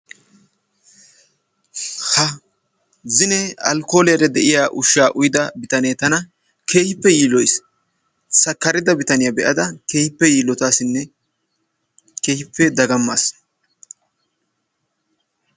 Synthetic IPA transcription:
hɐ | zɪnɛɐ̰lko̞ːlɛjɐɾɛd̪ɛʔɪjaːʔʊʃːaːʔʊjɪd̪ɐbɪt̪ɐneːt̪ɐnɐ | ke̞ːhɪpːɛjiːlːɔjs | sɐkːɐɾɪd̪ɐbɪt̪ɐnɪjɐbɛʔɐd̪ɐkeːhɪpːɛjiːlːɔt̪aːsɪnːɛ | ke̞ːhɪpːɛd̪ɐɡɐmːas

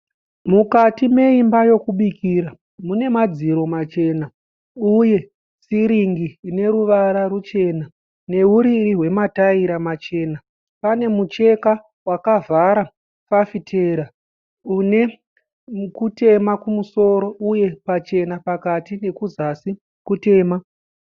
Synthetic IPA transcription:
mukatime̞imbajo̞kuɓikiːɾa | mune̞mad͡ziɾo̞mat͡ʃe̞ːna | uje̞ | siɾiŋɡiːne̞ɾuʋaɾarut͡ʃe̞ːna | ne̞ɦuɾiriɦwe̞mataiɾamat͡ʃe̞ːna | pane̞mut͡ʃe̞ka | wakavʱaɾa | fafitʰe̞ɾa | une̞ | kute̞makumuso̞ɾo̞ʔuje̞pat͡ʃe̞napakatine̞kuzasi | kute̞ːma

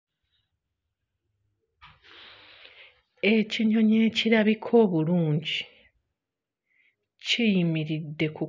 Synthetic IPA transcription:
e̞ciɲo̞ɲe̞ːciɾaβikʰo̞ːβuluːɲɟi | cijimiɾidːe̞ku

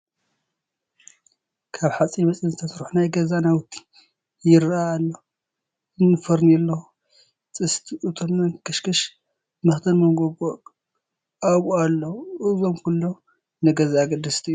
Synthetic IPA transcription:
kʰaβħat͡sʼimɐt͡sʼinzɨt̪ʰɐsɾħunajɡɐzanawt̪ʰːi̥ | jɪɾaːlːɐ | ɨnːɨfɐɾnɛlːɐ | t͡sʼɨst̪ʰiʔɨt̪ʰomːɐnkʰɨʃkʰɐʃ | mɐxt̪ʰɐnmɐnɡoɡo | aɣʼoalːɐwuʔɨzomkulːow | nɨɡɐzaɡɨd̪ɨst̪ʰiju

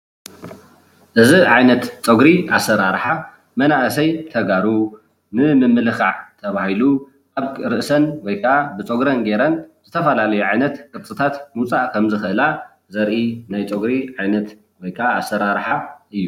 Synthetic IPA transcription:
ʔɨziʕajnɐt̪t͡sʼoɡɾiʔasːɐɾaɾħa | mɐnaʔɨsɐjt̪ʰɐɡaɾu | nɨmɨmːɨlɨxaʕt̪ʰɐβahilu | ʔaβɾɨʔsɐnwɔjkʰaʔabɨt͡sʼoɡɾɐnɡe̞ɾɐnz̥ɨt̪ʰɐfɐlalɐjuʕajnɐt̪kʼɨɾt͡sʼɨt̪ʰat̪mut͡sʼaʔkʰɐmzɨxɨʔɨla | zɐɾʔinajt͡sʼoɡɾiʕajnɐt̪ | wɔjkʰaasːɐɾaɾħaɨjːu

